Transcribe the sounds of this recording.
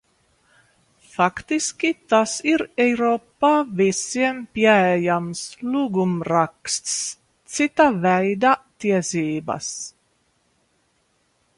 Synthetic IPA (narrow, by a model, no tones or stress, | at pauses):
fakt̪iskʲit̪asiɾɛjɾoːpːaːvisiɛmpiɛɛjamslˠuɡumɾakst̪s | t̪sit̪avɛjd̪at̪iɛsiːba̰s